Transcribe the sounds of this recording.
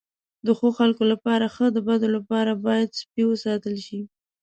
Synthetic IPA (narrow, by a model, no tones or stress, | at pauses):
d̪əxoxalkolapɑɾaxəd̪əbad̪olapɑɾabɑjad̪spiwəsɑt̪əlʃi